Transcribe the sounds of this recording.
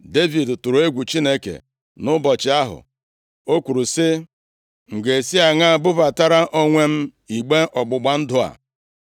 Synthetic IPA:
de˦vi˨dtʊ˨ɾʊ˨˦e˦ɡʷu˨t͡ʃi˦ne˦kḛ˨ | nʊ˦bɔ˨t͡ʃɪ˨˦a˦ɦʊ̰˨ | o˦kʷu˨ɾu˨sɪ˦ | ŋ̩˨ɡe˨si˦a˨ŋa˦a˨bʊ˦va˨ta˦ɾa˦ʔo˦ŋʷe˦m̩˦ | i˨ɡ͡be˦ʔɔ˨ɡ͡bʊ˨ɡ͡ba˨n̩˦dʊ˨a̰˨

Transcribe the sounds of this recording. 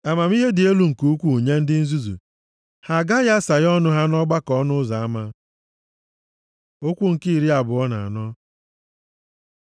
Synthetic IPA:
a˨ma˨m˦i˦ɦe˦dɪ˨e˦lu˨ŋ̩˨ku˦kʷu˦u˨ɲe˦n̩˦dɪ˦n̩˦zu˦zṵ˨ | ha˨ɡa˦ja˦sa˨jɔ˦nʊ˦ɦa˦nɔ˦ɡ͡ba˦kɔ˦nʊ˦za˨a˦ma˦ | o˦kʷu˦ŋ̩˨ki˦i˨ɾi˦a˨bʊ˨ɔ˦na˨a˨nɔ˦

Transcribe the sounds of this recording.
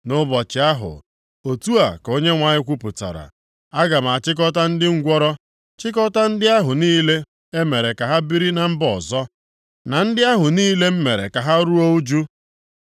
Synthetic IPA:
nʊ˦bɔ˨t͡ʃɪ˨˦a˦ɦʊ̰˨ | o˨tu˦a˨ko˦ɲe˦ŋʷa˨ɲɪ˦kʷu˦pʊ˨ta̰˨ɾa̰˨ | a˦ɡa˨m̩˨a˨t͡ʃɪ˦k̬ɔ˦ta˦n̩˦dɪ˦ŋ̩˦ɡʷɔ˦ɾɔ˦ | t͡ʃɪ˦k̬ɔ˦ta˦n̩˦dɪ˦a˦ɦʊ˨niː˦le˦ | e˦me˨ɾe˨ka˨ɦa˦bi˦ɾi˦na˨m̩˦bɔ˨zɔ˦ | na˨n̩˦dɪ˦a˦ɦʊ˨niː˦le˦m̩˦me˨ɾḛ˨ka˨ɦa˦ɾu˦o˦u˦d͡ʒu˦

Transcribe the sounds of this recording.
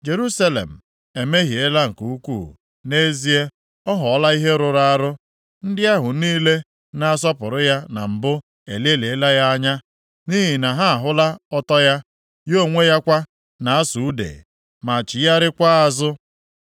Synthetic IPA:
d͡ʒe˨ɾu˦sa˦lḛ˨m̩˨ | e˨me˦ɦi˨e˦la˦ŋ̩˨ku˨u˦kʷṵː˦˨ | ne˦zi˦e˦ | ɔ˦ɦɔ˨˦la˦i˦ɦe˦ɾʊ˨ɾa˦ɾʊ˦ | n̩˦dɪ˦a˦ɦʊ˨niː˦le˦ | na˦a˦s̬ɔ˦pʊ˨ɾʊ˦ja˦na˨m̩˨bʊ˦ | e˨le˦le˨e˦la˦ja˦a˦ɲa˦ | ni˦ɦi˨na˨ɦa˦a˨ɦʊ˦la˦ɔ˦tɔ˦ja˦ | jo˦˨ŋʷe˦ja˦kʷa˦ | na˨a˦su˨u˦dḛ˨ | ma˨t͡ʃɪ˨ja˦ɾɪ˦kʷa˦a˨zʊ˦

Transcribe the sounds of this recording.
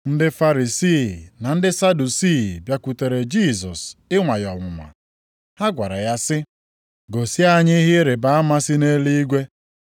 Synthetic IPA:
n̩˦dɪ˦fa˦ɾi˨siː˦˨na˨n̩˦dɪ˦sa˦du˨si˦˨bja˦kʷu˨te˨ɾe˨d͡ʒi˦˨sɔ˨sɪ˦ŋʷa˨jɔ˨ŋʷʊ˨ma̰˨ | ha˦ɡʷa˨ɾa˨ja˦sɪ˦ | ɡo˨sɪ˦a˦ɲɪ˦ɦɪ˦ɾe˨ba˨a˦ma˦sɪ˦ne˦li˦i˦ɡʷe˦

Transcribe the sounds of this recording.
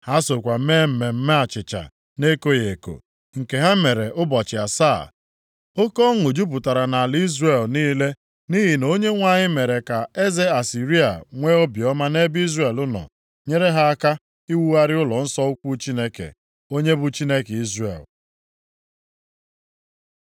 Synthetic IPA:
ha˦so˨kʷa˨˦me˦m̩˨me˨m̩˦me˦a˨t͡ʃɪ˨t͡ʃa̰˨ | ne˦ko˦je˨ko̰˨ | ŋ̩˨ke˨ɦa˦me˨ɾe˨ʔʊ˦bɔ˨t͡ʃɪ˨a˨sa˦˨ | o˦ko˦ŋʊ˨d͡ʒu˦p̬ʊ˨ta˨ɾa˨na˨a˨li˦zre˦˨lniː˦le˦ | ni˦ɦi˨no˦ɲe˦ŋʷa˦ɲɪ˦me˨ɾe˨ka˨e˦ze˦a˨si˨ɾi˦a̰˨ŋʷe˦o˦bjɔ˦ma˦ne˦bi˦zre˨lʊ˦nɔ̰˨ | ɲe˦ɾe˦ɦa˦a˦ka˦ | i˦wu˦a˦ɾɪ˦ʊ˦lɔ˨n̩˦sɔ˦ʊ˦kʷu˦t͡ʃi˦ne˦kḛ˨ | o˦ɲe˦bʊ˦t͡ʃi˦ne˦ke˨i˦zrḛ˨l

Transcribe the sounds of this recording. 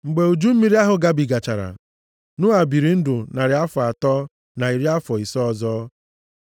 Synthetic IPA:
ŋ͡m̩˨ɡ͡be˨u˨d͡ʒu˦m̩˦mi˦ɾi˦a˦ɦʊ˨ɡa˦bi˨ɡa˨t͡ʃa˨ɾa̰˨ | nʊ˦a˨bi˨ɾi˨n̩˦dʊ˨na˨ɾɪ˨a˦fʊ˨a˨tɔː˦ | na˨i˨ɾi˦a˦fɔ˨i˨sɔ˦zɔː˦

